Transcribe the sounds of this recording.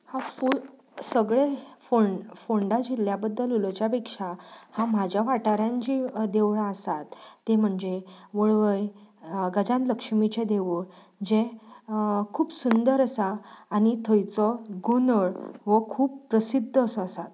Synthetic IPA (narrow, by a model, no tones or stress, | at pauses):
hafu | səɡɭefoɳfoɳɖad͡ʑiljabəd̪ːəlult͡ɕjapekʂahãm̤ad͡ʑʱjaʋaʈaɾjãɲt͡ɕid̪eʋɭaəsat̪ːem̤əɳd͡zeʋəɭʋəjɡəd͡ʑãnt̪ləkʂmit͡ɕed̪eʋuɭ | d͡ʑe | kʰuːbsund̪əɾəsaːñit̪ʰəjt͡sɔɡonəɭʋəkʰuːppɾəsid̪ʱːsɔəsat̪